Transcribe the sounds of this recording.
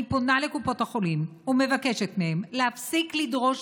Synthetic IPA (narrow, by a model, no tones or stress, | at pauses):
ipo̞nale̞kupo̞thaχo̞limume̞vake̞ʃetmehe̞mlehafsiklidʁo̞ʃ